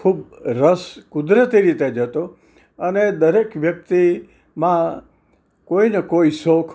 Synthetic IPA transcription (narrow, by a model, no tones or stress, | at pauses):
kʰubɾəskʊd̪ɾət̪iɾit̪ed͡ʒət̪o | əned̪əɾekʋjək̚t̪i | mã | koinəkoisokʰ